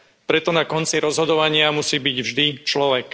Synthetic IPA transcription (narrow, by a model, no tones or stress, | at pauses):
pɾɛt̪ɔnakɔnt͡siɾɔzɦɔd̪ɔʋaɲɪamusiːbiɟvʒd̪it͡ʃlɔʋɛk